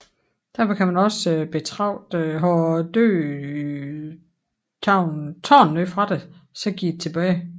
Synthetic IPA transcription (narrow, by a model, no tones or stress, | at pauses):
d̥æɐfɒ̽kʰæmænɒ̽sb̥et͡sʰʁɑ̈ʊ̰d̥ɦɒd̥ø̰ː | t͡sʰɑʊnt͡sʰɒ̰ːnnø̰fʁɑ̈d̥esɒ̽ɡ̥ḭd̥e̥t͡sʰe̝b̥ɛːɪ